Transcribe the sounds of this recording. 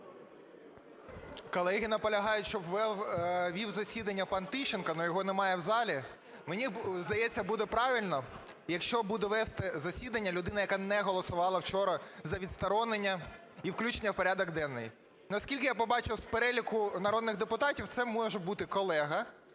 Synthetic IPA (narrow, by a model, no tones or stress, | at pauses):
kɔlˠɛɦʲinɐpɔlʲɐɦɑjʊtʲʃt͡ʃɔʋɛwʋʲiwzɐsʲid̪ɐnʲːɐpɑnt̪ɪʃenkɐnɔjɔɦɔnemɑjɛwzɑlʲi | menʲizd̪ɐjɛt͡sʲːɐbud̪ɛpɾɑʋʲilʲnɔjɐkʃt͡ʃɔbud̪ɛʋɛst̪ɛzɐsʲid̪ɐnʲːɐlʲʊd̪ɪnɐjɐkɑnɛɦɔlˠɔsʊʋɑlˠɐwt͡ʃɔɾɐzɐʋʲid̪st̪ɐɾɔnenʲːɐ | iwklʲut͡ʃenʲːɐwpɔɾʲad̪ɔɡd̪ɛnːɪ̰j | nɐskʲilʲkɪjapɔbɑt͡ʃɪwspeɾɛlʲikʊnɐɾɔd̪nɪɣd̪epʊt̪ɑtʲiwt̪sɛmɔʒɛbut̪ɪkɔlˠɛɦɐ